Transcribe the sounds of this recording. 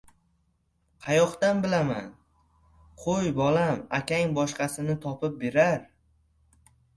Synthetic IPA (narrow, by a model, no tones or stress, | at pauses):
qʰɑjɒqt̪anbɪlama̰n | qʰojbɒlamakʲaŋbɒʃqɑsɪnɪt̪ʰɒpɪp̚be̞ɾaɾ